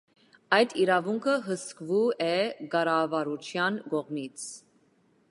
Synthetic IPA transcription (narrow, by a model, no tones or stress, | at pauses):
ɑjd̪iɾɑvuŋkʰəɦəskvuɛɡɑɾɑvɑɾut͡ʃʰjɑnɡɔʁmit͡sʰ